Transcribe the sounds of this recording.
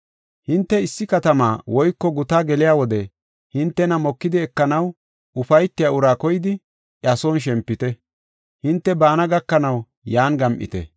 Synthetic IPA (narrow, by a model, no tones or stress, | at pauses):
hɪnt̪ːɛɪsːɪkɐt̪ɐmaːwɔjkːɔɡʊt̪aːɡɛlɪjaːwɔd̪ɛ | hɪnt̪ːɛnɐmɔkːɪd̪ɪɛkːɐnɐw | ʊfɐjt̪ːɪjaʊɾaːkɔjɪd̪ɪ | ʔɐsoːnʃ̬ɛmpːɪt̪ɛ | hɪnt̪ːɛbaːnɐɡɐkːɐnɐw | jaːnɡɐmʔɪ̰t̪ɛ̰